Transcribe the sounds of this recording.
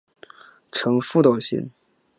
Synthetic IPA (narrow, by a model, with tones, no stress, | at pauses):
ʈ͡ʂʰɤ˧˥ŋfu˥˧t̪o˥˨˩ʊɕḭ˧˥n